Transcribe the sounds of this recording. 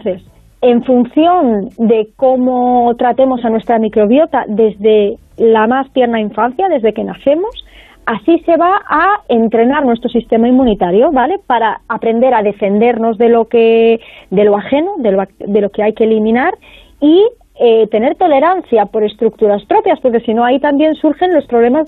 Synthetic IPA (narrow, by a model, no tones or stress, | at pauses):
θes | e̞ɱfun̟θjo̞nd̪e̞ko̞mot̪ɾat̪e̞mo̞sanwe̞st̪ɾamikɾo̞β̞jo̞t̪aðe̞zðe̞ | lamast̪je̞ɾnaiɱfan̟θjaðe̞zðe̞ke̞naθe̞mo̞s | asise̞β̞aae̞nt̪ɾe̞naɾnwe̞st̪ɾo̞sist̪e̞maimːũnit̪aɾjo̞βale̞paɾaːpɾe̞nd̪e̞ɾað̞e̞fe̞nd̪e̞ɾno̞zðe̞lo̞ked̪e̞loaxe̞no̞ðelad̪e̞lo̞ke̞ajke̞ːlimĩnaɾ | i | et̪e̞ne̞ɾt̪o̞le̞ɾanθjapo̞ɾe̞st̪ɾuk̚t̪uɾaspɾo̞pjaspo̞ɾke̞sino̞ait̪ambje̞nsuɾxe̞nlo̞spɾoβle̞maz